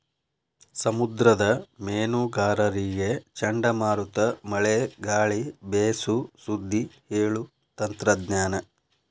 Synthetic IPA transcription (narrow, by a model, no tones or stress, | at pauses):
sɐmud̪ɾɐd̪ɐmeːnuɡaːɾɐɾiɡe̞t͡ʃɐɳɖɐmaːɾut̪ɐmɐɭeɡaːɭibeːsusud̪ʱːiheːɭu | t̪ɐnt̪ɾɐd̪ɲaːnɐ